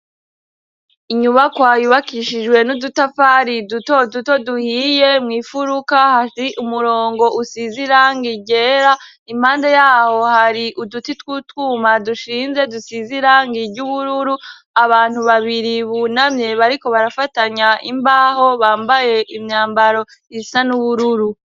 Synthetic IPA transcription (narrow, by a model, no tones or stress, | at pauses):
iɲuβakwaːjuβakiʃid͡ʒɡwe̞nudutafaɾidutoduto̞duhiːje̞mŋiːfuɾukahaiʔumuɾo̞ːŋɡo̞ʔusiziɾaŋɡiɟe̞ːɾa | im̥haːndejaːho̞haɾiʔudutitwutwuːmaduʃiːnze̞dusiziɾaŋɡiɾɟuβuɾuɾu | aβaːn̥huβaβiɾiβunamɲe̞βaɾiko̞βaɾafataɲaḭmbaːho̞βaːmbaje̞ʔimɲaːmbaɾo̞ | isanuβuɾuɾu